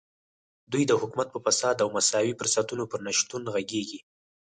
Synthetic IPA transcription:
d̪ujd̪əhʊkumat̪̚pəfasɑd̪awmasɑwipəɾsɑt̪unopəɾnaʃt̪unɣaɡeɡi

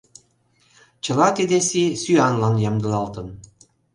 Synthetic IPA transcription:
t͡ɕɤ̆lˠɑk̪ed̪esisyɑnlˠɑnjɑmd̪ɤ̆lɑlˠt̪ɤ̆n

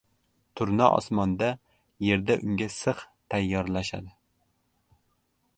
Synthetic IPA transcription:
t̪ʰʊɾnɑʔɒ̰smɒnd̪a | je̞ɾd̪aʔʊŋɡʲasɨχt̪ʰajːɒɾlaʃa̰d̪ɪ

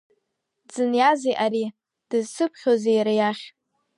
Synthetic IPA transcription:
d͡zɨnjazejʔaɾi | d̥ɨzsɨpʰχʲozejɾajaχʲ

